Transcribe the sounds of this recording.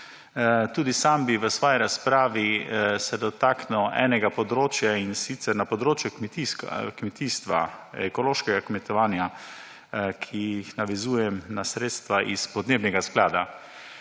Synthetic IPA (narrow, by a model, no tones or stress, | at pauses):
t̪uːd̪isambiʋəsʋɔːjiɾaspɾaːʋisɛd̪ɔt̪aːknɛwɛ̰ːnɛɡapɔd̪ɾoːt͡ʃjainsit̪sɛɾnapɔd̪ɾoːt͡ʃjukmɛt̪iskkmɛt̪iːst̪ʋa̰ɛkɔloːʃkɛɡakmɛt̪ɔʋaːnja | kʰijixnaʋɛzuːjɛmnasɾeːt̪st̪ʋaʔispɔd̪neːbnɛɡasklaːd̪a